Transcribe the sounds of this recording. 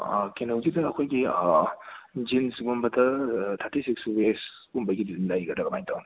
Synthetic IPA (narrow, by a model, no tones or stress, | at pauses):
kenɐwzidɐɐkʰojɡi | d͡ʒinsɡumbɐdɐtʰaɾtisiksbes | umbɐjɡidizmlajɡɐdɐɡɐmajtʰawni